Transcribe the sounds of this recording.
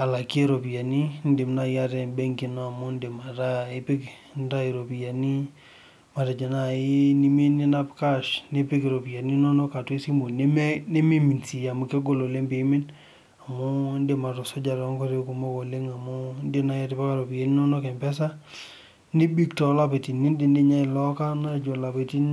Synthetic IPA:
a˨la˨ke˦ɾɔ˨pi˨ja˨ni˦n˦de˨mna˦ja˦ɾɛ˨mbɛ˦ŋki˨nɔ˦a˨mʊ˦nde˨ma˨ta˦e˦pɪ˦k | nta˦i˨ɾo˨pi˨ja˨ni˦ | ma˨ta˨d͡ʒe˨na˨i˦ni˦mi˦ni˦na˦pka˦ʃne˦pɪ˦ki˨ɾo˨pi˨ja˨ni˦nɔ˦nɔ˦ka˨twe˦si˦mo˨ne˦m˦ne˦mi˦mi˨nsi˨ja˨mu˨ke˦ɡo˦lo˨le˦mbe˨˦mɪ˦n | a˨mʊ˦nde˨ma˨ɾɔ˨so˦d͡ʒa˨ɾɔ˨˦ŋkɔ˦ɾe˦ku˨mo˦kɔ˨le˦ŋa˨mʊ˦nde˦na˨ja˦ti˦pa˦ka˦ɾo˨pi˨ja˨ni˦nɔ˦nɔ˦kɛ˨mpɛ˦s̬a˦ | ni˦bi˦ktɔ˨˦la˦pe˨ti˨ni˦nde˨nde˦ɲa˦i˨lɔ˦ka˦na˦˨d͡ʒo˨la˨pe˨ti˦n

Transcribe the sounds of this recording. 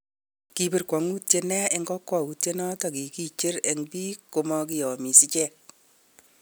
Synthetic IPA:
ki˨bɪ˨rkwɔ˨ŋu˦te˦nɛ˦ɪ˦ŋɡɔ˦kːwɔ˨u˨tje˦nɔ˦tɔ˨ki˨ki˦t͡ʃɪ˦ɾe˨ŋpi˦ko˨mɔ˦ki˦jɔ˨mi˨si˦t͡ʃɛ˦˨k̚

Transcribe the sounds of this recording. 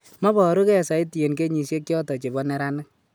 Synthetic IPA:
mɔ˦bɔ˨ɾu˦kɛ˦˨sa˨i˦ti˨je˨nke˦ɲi˨sje˦k̚t͡ʃjɔ˦tɔ˨t͡ʃe˨bɔ˦nɛ˦ɾa˦nɪ˦k̚

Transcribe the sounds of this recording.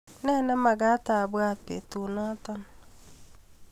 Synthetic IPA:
nɛ˦nɛ˦ma˨ɡa˦ta˨bwa˦˨pḛ˨tu˨nɔ˦ta˦n˦

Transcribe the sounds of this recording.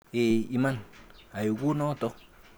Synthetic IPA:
e˨i˨mana˨ju˨ku˦no˦t̪o˧q

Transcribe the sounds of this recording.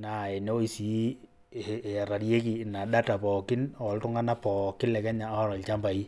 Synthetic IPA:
na˨e˨ne˦o˦i˨si˨˦˨ | ɾa˨ɾje˦ki˨na˨ɗa˦ta˨pɔ˨kɪ˦nɔ˨ltʊ˦ŋa˦na˦pɔ˨kɪ˦nlɛ˨kɛ˦ɲa˨˦ɾɔ˨lt͡ʃa˦mba˨i˦

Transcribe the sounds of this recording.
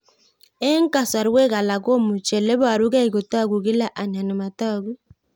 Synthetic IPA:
e˦ŋ˦ka˨sa˨ɾwe˦ɣa˨la˨ko˦mu˨t͡ʃɛ˨le˦βa˨ɾu˦ɣa˦i˨ɣo˨ta˦˨ɡu˨ɣi˦la˦ʔa˨ɲa˨no˨ma˨ta˦˨ɣu˦

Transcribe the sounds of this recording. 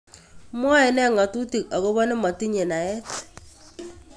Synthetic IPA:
mwɔ˦ɛ˨nɛ˦˨ŋa˨tu˦ti˨ka˨ko˦bɔ˦nɪ˦ma˨ti˦ɲe˨na˨ɛ˦t

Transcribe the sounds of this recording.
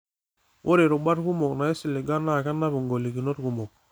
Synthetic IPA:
wʔo˦ɾe˨ɾu˨ba˦ɾku˦mɔ˨kna˨i˦si˨li˨ɡa˦na˦˨ka˦nːa˦βu˨ŋɡo˨li˨ki˨no˦ɾku˨mɔ˨k̚

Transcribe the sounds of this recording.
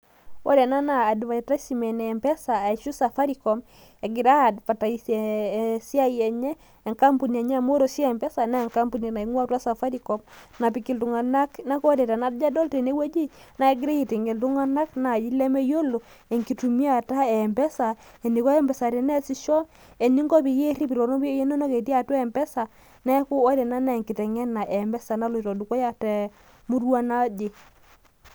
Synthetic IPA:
o̰˦dɛ˨na˦naː˨dβa˨ta˦si˨mɛ˨ne˨mbɛ˦sa˨e˨ʃu˦sa˨fa˦ɾi˨kɔ˨m | e˨ɡi˨ɾa˦˨dpa˨ta˨i˨se˨si˦a˦jɛ˨ɲɛː˦˨ | ŋka˦mpu˨ni˨a˨ɲa˦˨mo˦ɾo˨sjmbɛ˦sa˨na˦˨ŋka˦mbu˦ni˨na˨i˨˦ŋwa˦twa˦sa˨fa˦ɾi˨kɔ˨mna˨pi˨ki˨ltu˨ŋa˨na˦kna˦ko˦de˨ta˨na˨˦dd͡ʒa˦dɔ˦lte˨ne˦we˦d͡ʒi˦na˨ɛ˦ɡi˦ɾe˦ji˨te˨ŋɡɛ˨ltu˦ŋa˦na˦kna˨d͡ʒi˦lɛ˦mɛ˦jo˦lo˨ | ɛ˨ŋki˨tu˨mi˦a˨ta˦ɛ˨mbɛ˦sa˨ | ɛ˨ni˨kɔ˦ɛ˦mbɛ˨sa˨ɾɛ˨nɛ˦si˦ʃɔ˦ | ɛ˨ni˦ŋɡɔ˦pi˨je˦ɾi˦pi˨ɾɔ˨nɔ˦bi˦o˦je˦no˦nɔ˦ke˨ti˦a˨twɛ˦˨mbɛ˦sa˨ | nɛ˦ku˦ɔ˦dɛ˨na˦na˦˨ŋki˨tɛ˨ŋɛ˦na˨ʔɛ˨mbɛ˦sa˨na˦lo˨ɾɔ˨du˨kɔ˦ja˦tɛ˨ | mu˦ɾwa˦na˦d͡ʒe˨

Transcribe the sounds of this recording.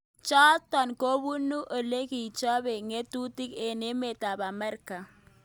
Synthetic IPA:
t͡ʃɔ˦tɔ˨nko˦βu˦nu˦ʔo˨le˦ki˨t͡ʃɔ˦be˨ŋe˦tu˦tɪ˦ke˨ne˦me˨ta˨ba˨mɛ˦rka˨

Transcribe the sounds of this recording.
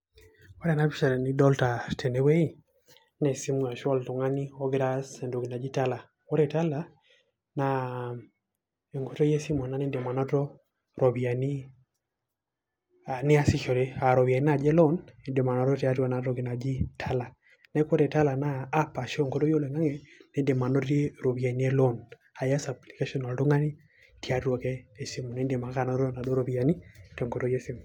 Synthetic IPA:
kwa˦ɾa˨na˦bi˦ʃa˨ni˦dɔ˦lta˨tʰɛ˨nɛ˨we˦i˨ | nɛ˨si˦mwa˨ʃɔ˦ltɔ˨ŋa˦ni˦ɔ˦ɡɾa˦sɛ˨ndo˨ɡi˨na˨d͡ʒi˦ta˦la˨ | ɔ˦ɾe˨ta˦la˨ | na˨ | e˨ŋɡo˦to˦je˦si˦mɔ˨na˦ni˦de˨ma˨na˦tɔ˦ | ɾɔ˨βi˨a˨ni˦˨ | nɪ˦a˦si˦ʃɔ˨ɾe˦a˨ɾɔ˨βja˨ni˦na˨d͡ʒɛ˦lɔ˦ne˨nde˨ma˨nɔ˦tɔ˦ti˨a˦ɾwa˨na˨ɾɔ˨ɡi˨na˨d͡ʒi˦tʰa˦la˨ | nɛ˦kɔ˦ɾɛ˨ta˦la˨naː˦pa˨ʃɔ˦ŋɡo˨˦tɔ˦jo˦lɛ˨ŋa˦ŋɛ˨nɛ˦nde˨ma˨nɔ˦te˦ɾo˨βja˨ni˦ɛ˦lɔ˦˨n | a˨ja˦sa˨pli˨ke˦ʃɔ˦nɔ˨ldo˦ŋa˦ni˦ | ti˦a˦ɾwɔ˨kɛː˦˨si˦mɔ˨nɛ˨˦nde˨ma˨ka˦˨nɔ˦ɔ˦na˨do˦ɾɔ˨βja˨ni˦tɛ˨ŋɡo˨tɔ˦jɛ˦si˦mɔ˨

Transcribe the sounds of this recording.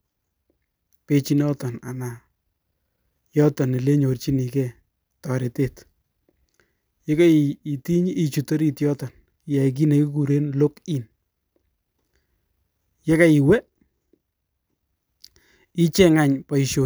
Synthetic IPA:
pe˧t͡ʃi˦nɔ˦tɔ˨na̰˨na˨ | jɔ˦tɔ˨ne˨le˦ɲo˨rt͡ʃi˦ni˨kɛ˦˨ | tɔ˨ɾe˨te˦t | je˦ka˦i˨i˨ti˦ɲː˦˨t͡ʃu˨to˦ɾi˦˨tjɔ˦tɔ˨n˦ | ja˨ik̬i˦ne˨ki˦ku˨ɾe˦nlo˦ki˦n | je˦ka˦i˨wɛ˦ | i˦t͡ʃɛ˦ŋa˦ɲpa˨i˨ʃo˨

